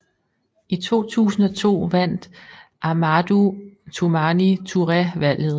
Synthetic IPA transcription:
it͡sʰo̝̰ːt͡sʰṵːsn̩ɒ̽t͡sʰo̝̰ːʋæn̰d̥ʔɑmæd̥ut͡sʰumænit͡sʰuʁɛʋæl̰ð̞̩ˠ

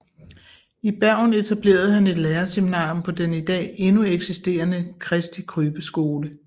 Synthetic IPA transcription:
ib̥æɐ̰ne̝t͡sʰæb̥le̝̰ːɐð̞̩ˠhæne̝d̥leːɐse̝minɑ̰̈ːjompʰɒ̽d̥enid̥ɛ̰ːe̝nueɡ̥sisd̥e̝̰ːɐnəkʰʁɛsd̥ikʰʁyːb̥əsɡ̥o̝ːlə

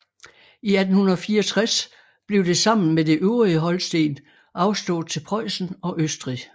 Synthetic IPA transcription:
iæd̥n̩hunɐðˠfiːɐɒt͡sʰʁas | b̥le̝ʊd̥e̝sɑ̈m̰n̩mede̝ʔøʊʁiəɦɒ̽lsd̥e̝̰ːn | ʔɑ̈ʊsd̥ɔ̰̽ːð̩ˠt͡sʰe̝lpʰʁɒɪsn̩ɒ̽ʔøsd̥ʁi

